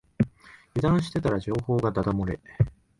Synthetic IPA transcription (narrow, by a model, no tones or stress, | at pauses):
jɯd̪ãɰ̃ɕ̬i̥t̪e̞t̪aɾaʑo̞ːho̞ːɡad̪ad̪amoɾe